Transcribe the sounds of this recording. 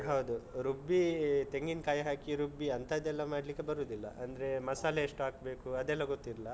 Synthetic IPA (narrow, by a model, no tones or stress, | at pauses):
ɦɐwd̪uɾubːit̪eŋɡinkaːjɦaːkiɾubːiɐnt̪ɐid̪ɛlːɐmaːɽlikːe̞bɐɾuːd̪ilːɐ̰ʔɐnd̪ɐɾe̞mɐsaːlɐeʂʈaːkbe̞ːkuɐd̪ɛlːɐɡot̪ːiɾlɐ